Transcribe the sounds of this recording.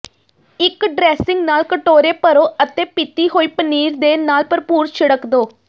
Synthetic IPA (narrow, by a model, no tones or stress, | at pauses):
ɪkɖɾɛːsɪ̃ŋɡnaːlkəʈoːɾeːpəɾoːət̪eːpɪt̪iːɦoːiːpəniːɾd̪eːnaːlpəɾpuːɾʃʰɪɽəkd̪oː